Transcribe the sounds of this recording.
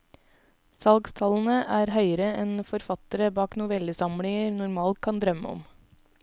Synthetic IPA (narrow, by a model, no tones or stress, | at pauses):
sɑlɡst̪ʰɑln̩əʔæːɾhœʏəɾəʔɛnfɔɾfɑt̪əɾəbɑːknʊʋɛləsɑmlɪŋəɾnʊɾmɑːlt̪̚kʰɑnd̪ɾœmə̰ɔ̰m